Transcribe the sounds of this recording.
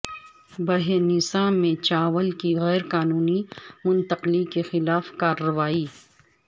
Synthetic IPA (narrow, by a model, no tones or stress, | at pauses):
bɐɦenɪsãːmːẽt͡ʃaːʋəlkiɣɛːɾqaːnuːnimʊnt̪əqlikexɪlaːfkaːɾːɐʋaːi